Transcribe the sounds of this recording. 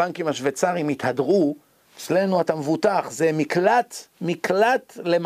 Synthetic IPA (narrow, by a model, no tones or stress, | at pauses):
aŋkimaʃvet͡saʁimit̪hadʁu | et͡sle̞nuatamevut̪aχzemiklat̪miklat̪lem